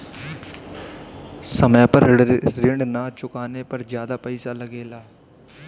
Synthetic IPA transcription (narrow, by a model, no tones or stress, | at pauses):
səmɛ̃ːpəɾɾɪɳɖnaːt͡ʃʊkaːneːpəɾzjaːd̪aːpəːsaːləɡeːlaː